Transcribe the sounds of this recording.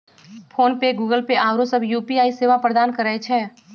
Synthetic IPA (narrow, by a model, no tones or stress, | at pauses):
pʰoːnpeɡuːɡəlpeʔaːɾõsɐbʱjuːpiaːiseːʋapɾəd̪aːnkəɾəet͡ʃʰɛː